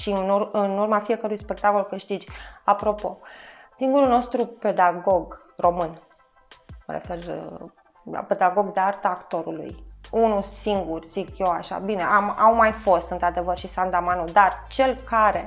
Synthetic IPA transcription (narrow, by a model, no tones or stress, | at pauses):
ʃinuɨnurmafije̞kəɾujspe̞k̚t̪ako̞lkɨʃt̪id͡ʒʲapɾo̞po̞siŋɡuɾulno̞st̪ɾupe̞d̪aɡo̞ɡ | ro̞mɨn | mə̰ɾḛfe̞r | la̰pe̞d̪aɡo̞ɡd̪eart̪aakt̪o̞ɾṵlṵjunusiŋɡurʲz̥ikje̞waʃa̰bine̞ʔamawmajfo̞st̪ɨnt̪ɾad̪e̞vərʃisand̪amanud̪art͡ʃe̞lkaɾe̞